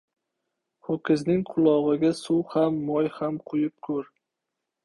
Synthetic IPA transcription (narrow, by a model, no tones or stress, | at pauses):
hokʲʰɪznɪŋqʰʊlˠɒʁɨɡʲasʊwhamːɒjhamqʰʊjɪp̚kʰɵɾ